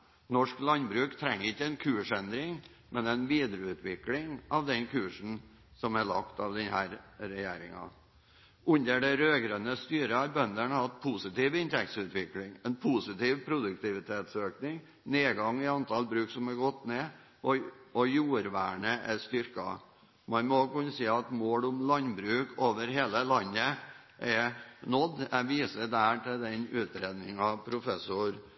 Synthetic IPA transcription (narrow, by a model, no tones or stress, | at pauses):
nɔʂklɑnbɾʉːkt̪ʰɾɛŋːɾɪçːəɛnkʰʉːʂɛnd̪ɾɪŋ | mɛnɛnʋiːd̪ɾəʉːt̪ʰʋɪklɪŋɑʋd̪ɛnkʰʉːʂn̩ | sɔmæɭɑ̰kt̪ɑʋd̪ɛnhæːɾɾɛjæːɾɪ̰ŋɑ̰ | ʉnd̪əɖɛɾøːɡɾœnəst̪yːɾəɑɾbœnd̪əɳhɑt̪pʰusɪt̪iːʋɪnt̪ɛk̚t̪sʉːt̪ʋɪklɪŋɛnpʰusɪt̪iːʋpʰɾʊd̪ʉk̚t̪ʰɪʋɪt̪ʰeːt̪søːknɪŋ | neːɡɑŋːɪɑnt̪ʰɑlbɾʉːksɔmɑɾɡɔt̪ːneː | ʔɔɔjuːɾʋæːɳəʔæst̪ʏɾkɑ̰ | mɑnmɔkʉːnsiːɑt̪moːlʊmlɑnbɾʉːkoːʋəɾɦeːləlɑnːə | ʔɛnɔd̪ːɛʋiːsəd̪æʈʰɪld̪ɛnʉːt̪ɾeːd̪nɪŋɑpʰɾʊfɛsʊɾ